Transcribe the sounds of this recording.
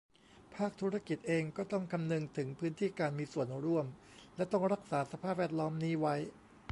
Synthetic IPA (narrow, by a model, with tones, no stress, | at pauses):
pʰaː˥˩k̚t̪ʰu˦˥ɾa˧˥ki˨˩t̪̚ʔeː˧ŋkɔː˥˩t̪ɔ˥˩ŋkʰa˧mnɯ˧ŋt̪ʰɯ˩˦ŋpʰɯː˦˥nt̪ʰiː˥˩kaː˧nmiː˧su˨˩ənɾu˥˩əm | lɛ˦˥t̪ɔ˥˩ŋɾa˦˥k̚saː˩˦sa˧pʰaː˥˩p̚wɛː˥˩t̪̚lɔː˦˥mniː˦˥wa˦˥j